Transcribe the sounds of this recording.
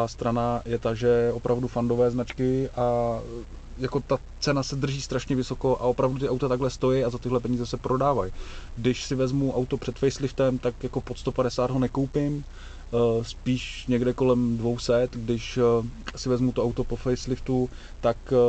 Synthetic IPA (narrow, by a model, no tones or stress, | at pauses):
aːst̪ɾanajɛt̪aʒɛʔo̞pɾavdufando̞vɛːznat͡ʃkɪʔa | jako̞t̪a | t͡sɛnasɛd̪r̩ʒiːst̪ɾaʃɲɛvɪso̞ko̞ʔaʔo̞pɾavdut̪ɪʔawt̪at̪aɡɦlɛst̪o̞jɛjazat̪ɪɦlɛpɛɲiːzɛsɛpɾʔo̞daːvajɡdɪʃsɪvɛzmuʔawt̪opr̥ɛt̪fɛjslɪft̪ɛmt̪akjako̞pot̪st̪o̞padɛsaːd̪ɦonɛkowpɪm | spiːʃɲɛɡdɛko̞lɛmdvo̞wsɛt̪ɡdɪʃsɪvɛzmut̪oawt̪o̞po̞fɛjslɪft̪u | t̪ak